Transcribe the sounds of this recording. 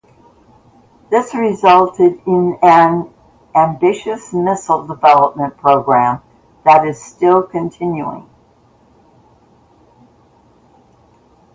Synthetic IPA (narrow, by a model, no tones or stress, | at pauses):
ðɪsɹɪzʌlˠtɨɾɪ̃nɨ̃n | ʔæ̃mbɪʃɨsmɪsl̩ˠdəvɛlˠəp̚mə̃npʰɹ̥oʊɡɹæ̃m | ðəɾɨz̥stɪlˠkʰɨ̃ntʰɪ̃njʉɪ̰̃ŋ